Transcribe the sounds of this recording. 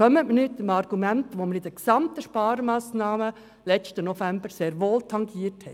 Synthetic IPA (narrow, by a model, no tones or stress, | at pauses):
œmətmənyːt̪ːɪmɑɾɡ̥umæntʋoməɾɪd̥̪əksɑmt̪əʃpɑːɾmɑːsnɑːmə | lɛt͡ʃtənɔfæmbəɾseːɾʋoːltʰɑŋɡiːəthɛ